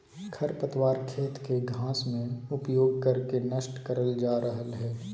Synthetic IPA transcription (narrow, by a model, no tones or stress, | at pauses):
kʰɐɾpət̪waːɾkʰeːt̪keɡʱãːsmẽʊpjoːɡ̚kɐɾkenɐʃʈkɐɾəld͡ʒaːɾəɦəlɦɛː